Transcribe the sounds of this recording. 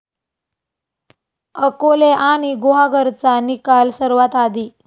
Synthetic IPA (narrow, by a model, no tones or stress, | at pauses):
əkoleʔañiɡoɦaɡəɾt͡sanikalsəɾʋat̪ad̪iː